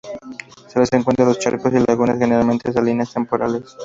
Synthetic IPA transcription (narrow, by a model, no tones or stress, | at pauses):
seleseŋkwent̪ɾalost͡ɕa̰ɾkosilaɣunesxenealment̪esalineast̪e̞mpoɾa̰les